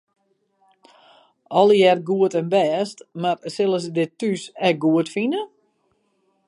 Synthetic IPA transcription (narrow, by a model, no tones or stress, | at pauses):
ʔɔlˠəjɛrɡuətɛnbɛːstmarsɪlˠəsədɪtysɛk̚ɡuətfinə